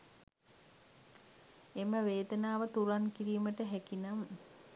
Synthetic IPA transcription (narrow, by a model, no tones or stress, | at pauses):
eməʋeːd̪ənaːʋət̪uɾaŋkiɾiːməʈəɦɛkinam